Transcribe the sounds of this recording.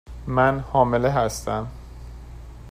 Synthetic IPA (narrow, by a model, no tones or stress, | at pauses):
mænhɒːmeleɦæst̪æm